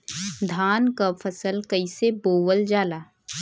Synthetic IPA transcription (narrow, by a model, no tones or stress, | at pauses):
d̪ʱaːnkafʰəsəlkəɪseboːwəld͡ʒaːlaː